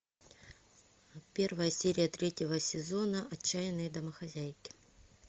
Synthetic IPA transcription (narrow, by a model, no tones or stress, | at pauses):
pʲe̞rvəjəsʲeɾʲɪjət̪ɾʲetʲɪvəsʲɪzo̞nəʔɐt͡ɕːæjɪnːɨjəd̪ɐməxɐzʲæjkʲɪ̥